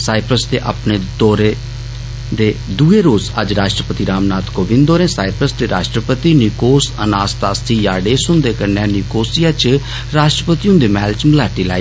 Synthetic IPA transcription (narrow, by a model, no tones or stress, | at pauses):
saːɪpʰɾəsd̪eːʔa̰pneːd̪ɔːɾeː | d̪eːd̪uːeːɾoːzə̰d͡ʒɾaːʃʈɾəpət̪iːɾaːmnaːt̪koːʋɪ̃nd̪oːɾẽːsaːipʰɾəsd̪eːɾa̰ːʃʈɾəpət̪iːnɪkoːsə̰naːst̪aːst̪ʰiːjaːɖeːsʊnd̪eːkəɾneãːnɪkoːsijaːt͡ʃ | ɾaːʃʈɾəpət̪iːʊ̃nd̪eːmɛːlt͡ʃməlaːʈiːla̰ːi